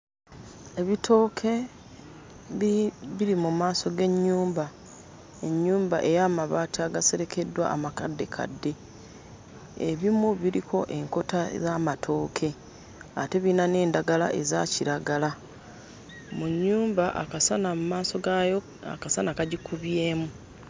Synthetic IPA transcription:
e̞βitʰo̞ːkʰe̞ | ββiɾimumaːso̞ɡe̞ɲːuːmba | e̞ɲːuːmba̰ʔe̞jaːmaβaːtaɡase̞ɾe̞kʰe̞dːwa̰ːmakadːe̞kʰa̰dːe̞ | eβimuβiɾḭko̞̰ʔe̞ŋko̞ta̰zaːmatʰo̞ːkʰe̞ | a̰te̞βinane̞ːndaɡala̰ʔe̞zaciɾaɡala | muɲːuːmbaʔa̰kasanamumaːso̞ɡajo | a̰kasanakaɟikuβje̞ːmu

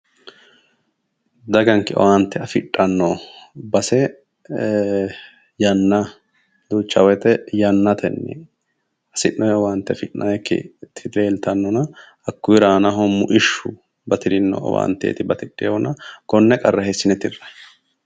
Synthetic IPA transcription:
d̪ɐɡɐŋkːɪɔ̰want̪ːɛɐfɪᶑʼːɐnːɔbɐsɛ | jɐnːɐ | d̪ut͡ʃːɐwɛt̪ɛjɐnːɐt̪ʰɛnːɛ̰ | ɐsɪnːɔjɛwant̪ːɛfɪʔːɐjɛkːɪ̰t̪ʰɪd̪leːlt̪ɐnːɔnɐ | ɐkːʊjɪɾaːnɐɦɔmʊʔɪʃːʊ | bɐt̪ɪɾɪnːɔ̰ɔ̰wa̰ːnt̪ːḛːt̪ɪbɐt̪ɪᶑʼːɪjwɔnɐɡ̥ɔnːɛkʼɐrːɐɦɛsːɪnɛt̪ɪrːɐj

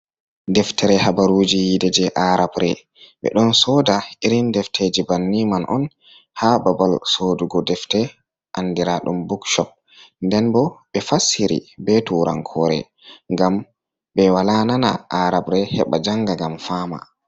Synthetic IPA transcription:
dɛftʰɛɾɛhabaɾuːd͡ʒijidɛd͡ʒɛʔaɾabɾɛ̰ | ɓɛ̰ɗɔnsɔdaiɾindɛftʰed͡ʒibanːimanʔɔn | hababalsoːduɡɔdɛftɛ | ʔanːdiɾaɗumbukʃɔp̚ | ndɛnbɔɓɛfasːiɾḭbɛtuːɾa̰ŋkʰɔɾɛ̰ | ŋɡam | bɛwalanana̰ʔaɾabɾɛhɛ̰ɓad͡ʒaŋɡaɡamfaːma̰

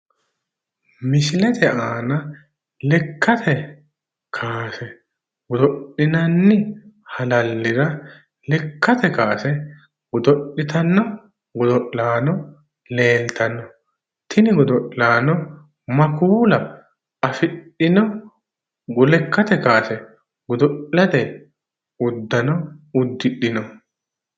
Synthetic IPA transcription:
mɪsɪlɛt̪ʰɛʔaːnɐ | lɛkːɐt̪ʰɛ | kʰaːsɛ | ɡʊd̪ɔɗːɪnɐnːɪhɐlɐlːɪɾɐ | lɛkːɐt̪ɛkaːsɛ | ɡʊd̪ɔɗːɪt̪ɐnːɔ | ɡʊd̪ɔʔlaːnɔ | le̞ːlt̪ɐnːɔ | t̪ʰɪnɪɡʊd̪ɔʔlaːnɔ | mɐkuːlɐ | ɐfɪɗːɪnɔ | ɡʊlɛkːɐt̪ɛkaːsɛ | ɡʊd̪ɔʔlɐd̪ɛ | ʊd̪ːɐnɔʊd̪ːɪɗɪnɔ

